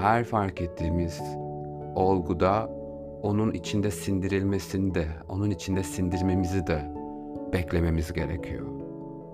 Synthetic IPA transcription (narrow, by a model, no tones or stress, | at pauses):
hæɾfaɾket̪ʰːiːmiz̥ | o̞lˠɡud̪a | o̞nunit͡ʃʰind̪ɛsind̪iɾilʲme̞sinid̪ɛo̞nunit͡ʃʰind̪ɛsind̪iɾme̞mizid̪ɛ | b̥ɛclʲe̞me̞mizɟe̞ɾḛcʰijo̰